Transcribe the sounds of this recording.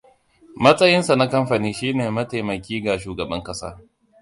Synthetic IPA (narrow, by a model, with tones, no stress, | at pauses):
mɐ˦sʼɐ˦jɪ˦nsa˨na˦kɐ˦mɸa˨niː˦ʃiː˦neː˨mɐ˦ta˨mɐ˨kʲiː˦ɡa˨ʃuː˨ɡɐ˨bɐ˦ŋkʼɐ˦sa̰ː˦